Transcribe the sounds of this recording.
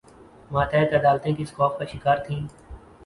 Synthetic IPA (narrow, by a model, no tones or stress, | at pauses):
mãːt̪ʰɛt̪əd̪aːlt̪ẽːkɪskɔːfkaʃɪkaːɾt̪ʰĩː